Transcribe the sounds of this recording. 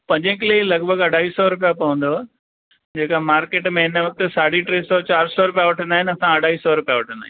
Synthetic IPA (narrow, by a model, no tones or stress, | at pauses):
pɐ̃ɲd͡ʑə̃kɪlelɐɡbʱəɡɐɖʱaːɦiːsɔɾʊp̬ijapɐʋə̃n̆d̪o | d͡ʑeːkamaːɾkeːʈmẽɪnəʋɐk̚t̪esaːɽ̤iʈɾeːsɔt͡ɕaːɾsɔɾʊpijaʋɐʈʰə̃nd̪aːɦɪnɐsãɐɖ̤ʱaːɦiːsɔɾʊpijaʋɐʈʰə̃nd̪aːɦɪn